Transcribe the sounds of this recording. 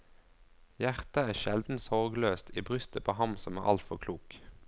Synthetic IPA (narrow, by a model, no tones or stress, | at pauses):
jæʁt̪əæːʃɛld̪n̩sɔʁɡløːst̪ʰiːbʁʏst̪əpʰoːhɑmsɔmæ̰ːʔɑ̰lt̪fɔʁkʰluːk